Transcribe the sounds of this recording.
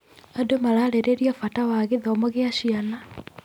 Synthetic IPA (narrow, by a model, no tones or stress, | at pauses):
adomaɾaɾeɾeɾiafatawaɣeðɔmɔɣeaɕiana